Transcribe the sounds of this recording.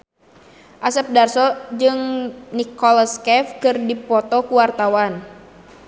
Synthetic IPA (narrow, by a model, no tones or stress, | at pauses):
ʔasəp̚darsɔd͡ʒɨŋnikɔlɔskɛfkɨrdipɔt̪ɔkuwart̪awan